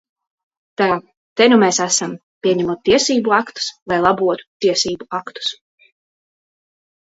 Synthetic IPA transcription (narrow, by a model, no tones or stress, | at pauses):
t̪a | t̪ɛnumɛsæsam | pʲiɛɲɛmuɔt̪̚ːiɛsiːbuɑkt̪u̥svajlˠɑbuɔt̪u̥t̪iɛsiːbuɑkt̪u̥s